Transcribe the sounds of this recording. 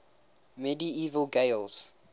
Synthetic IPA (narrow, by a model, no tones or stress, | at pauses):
mɛdiiːvəlˠɡeɪlˠs